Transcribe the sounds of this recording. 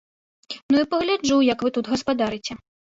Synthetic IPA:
nuipɐɣlʲad͡ʐujɐkvɨt̪ut̪ɣɐspad̪aɾɨt͡sʲɛ

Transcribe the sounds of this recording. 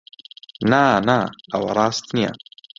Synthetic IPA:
nanaa̰wa̰ɾˤɑːst̪nija̰

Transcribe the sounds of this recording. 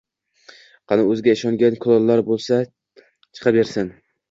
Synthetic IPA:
qʰɑnɪɵzɡʲaɪʃɒŋɡʲankʰʊlˠɒlˠːaɾbolˠsa | t͡ʃʰɨ̥qʰɑbeɾsɪn

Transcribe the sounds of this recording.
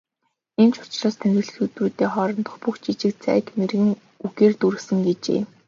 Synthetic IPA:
ent͡ɕʰʊ̥t͡ɕɮɔːst̪ʰænrʲɘ̆ɮ̆xut̪ruːt̪eːχɔɾɞ̆nt̪ɞ̥̆χpuxt͡ɕit͡ɕɪ̆kt͡sʰæ̰ːkmerɣɘ̆ŋ | uɣeːrt̪uɾɘ̆ksə̆ŋɡet͡ɕḛː

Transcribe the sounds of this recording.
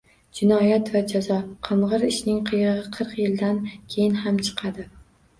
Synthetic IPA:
d͡ʒɪnɒjat̪vad͡ʒazɒqʰɨɴʁɨɾɪʃnɪŋqʰɨjɨʁɨqʰɨɾqjɪld̪ankʲʰejɪnhamt͡ʃʰɨ̥qʰɑd̪ɪ

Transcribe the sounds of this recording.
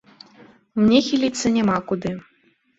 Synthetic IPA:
mnʲɛxʲilʲit̪sːɐnʲɛmakud̪ɨ

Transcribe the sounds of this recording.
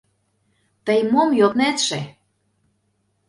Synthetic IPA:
t̪əjmomjot̪næt̪ʃe

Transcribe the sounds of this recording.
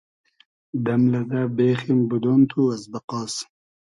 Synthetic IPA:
d̪ɐmlɐd̪abeːximbud̪ont̪ʰuɐzbɐqɑːs

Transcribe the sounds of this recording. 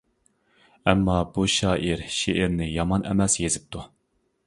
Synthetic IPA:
ɛmːɑbuʃɑːʔiɾʃeʔɪɾnɪjɑmɑnʔɛ̰mɛsjezɪp̚t̪ʰu

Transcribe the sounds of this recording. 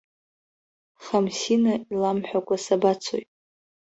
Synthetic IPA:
χamsinailamħʷᶣakʷʼasabat͡sʰo̰jtʼ

